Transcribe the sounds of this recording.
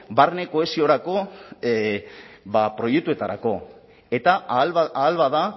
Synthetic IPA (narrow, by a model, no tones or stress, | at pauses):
barne̞ko̞e̞sio̞ɾako̞ | bapɾo̞jek̚t̪ue̞t̪aɾa̰ko̞ | e̞t̪aaːlβaða